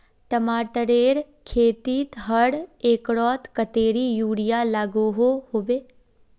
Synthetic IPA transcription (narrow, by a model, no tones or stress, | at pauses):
ʈəmaːʈəɾeːɾ | kʰeːt̪iːt̪ɦəɽeːkɽɔːt̪kət̪eːɾiːjuːɽɪjaːlaːɡoːɦoːhoːbeː